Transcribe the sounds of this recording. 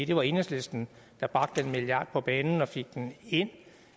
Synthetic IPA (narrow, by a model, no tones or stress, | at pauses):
id̥e̝ʋɑ̈e̝nesle̝sd̥n̩ | d̥ɑ̈b̥ʁɑ̈ɡ̥d̥enmiliɑ̈d̥̚pʰɒ̽b̥ɛːnn̩ɒ̽fe̝ɡ̥̚d̥ene̝n̰